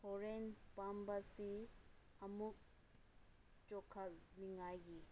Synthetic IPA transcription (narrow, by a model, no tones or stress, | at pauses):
fɔɾenpambɐsi | ɐmuk̚ | t͡ʃɔkʰɐlmiŋajɡi